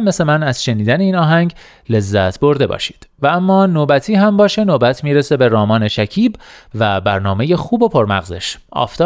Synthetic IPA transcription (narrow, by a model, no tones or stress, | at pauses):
mːeslemænæz̥ʃe̞niːd̪æneiːnɒːɦæŋɡ | le̞zːæt̪ʰb̥o̞ɾd̪e̞bɒ̰ːʃi̥ːd̪̥vææmːɒːnoːbæt̪ʰiːɦæmbɒːʃe̞noːbæt̪ʰmiːɾese̞be̞ɾɒːmɒːne̞ʃæcʰiːbvæbæɾnɒːme̞jexuːbo̞pʰo̞ɾmæ̰ɣze̞̰ʃʔɒ̰ːft̪ʰɒ